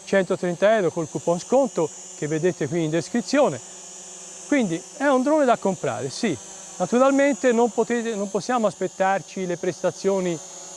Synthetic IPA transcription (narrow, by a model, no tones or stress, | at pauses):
t͡ʃɛnt̪ot̪ɾɛnt̪aɛɾokolkupːonskont̪o | k̟evːed̪eːt̪ekwiːnd̪eskɾit̪sːjoːne | kwind̪i | ɛund̪ɾoned̪akːompɾa̰ːɾesi | nat̪uɾalment̪enompot̪et̪enomposːjaːmoaspet̪ːart͡ʃilepɾest̪at̪sːjoːni